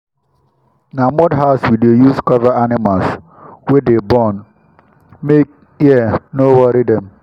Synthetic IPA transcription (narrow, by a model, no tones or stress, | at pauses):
namɔdɦaʊswidojuskɔvaanɪmals | wedebɔn | mek̚ | inowɔɾidɛm